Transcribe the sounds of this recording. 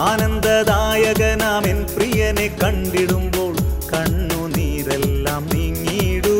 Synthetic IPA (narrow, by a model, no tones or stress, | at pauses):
aːnɐnd̪ɐd̪aːjɐɣɐnaːmenpɾijɐnekɐɳɖiɽumboːɭkɐɳːuniːɾɛlːaːmniŋːiːɽu